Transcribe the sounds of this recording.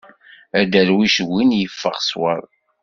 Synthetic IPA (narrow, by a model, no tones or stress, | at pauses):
æd̪æɾwiʃwinjəfːə̰ʁswə̰ðˤ